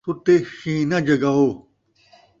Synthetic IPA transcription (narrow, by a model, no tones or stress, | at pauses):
ut̪eɕĩːnɐd͡ʑɐɡao